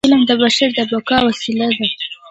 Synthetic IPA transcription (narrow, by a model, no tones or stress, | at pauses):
ɪlamd̪əbaʃaɾd̪əbakɑwasilad̪a